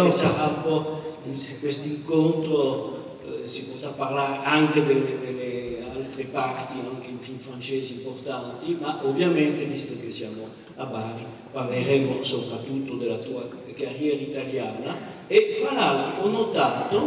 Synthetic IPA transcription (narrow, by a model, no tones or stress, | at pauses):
ɔjsaʁaumpɔinsekwest̪iŋkont̪ɾo | sipɔt̪apːarlaɾeaŋked̪eled̪elealt̪ɾepart̪iaŋkeinfiɱfɾant͡ʃeːzimport̪ant̪imaʔovjamɛnt̪evist̪okesjaːmo | abaːɾi | parleɾɛmːosopɾat̪ːut̪ːod̪elat̪ua | karjɛːɾait̪aljaːna | efalaliɔnːot̪aːt̪o